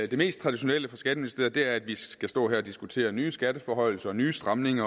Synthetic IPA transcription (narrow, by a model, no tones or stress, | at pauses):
d̥eme̝̰ːsd̥̚t͡sʰʁɑ̈d̥iɕo̝neləfʁɑsɡ̥æɾ̥əminisd̥e̝̰ːɐð̩ˠd̥e̝æɐæd̥ʋiɡ̥æsd̥ɔ̰̽ːɦæɐɒ̽d̥isɡ̥ut͡sʰe̝̰ːɐnyːsɡ̥æd̥əfɒɦɒ̽ɪ̰l̩sɐɒnyːsd̥ʁɑ̈mne̝ŋɐ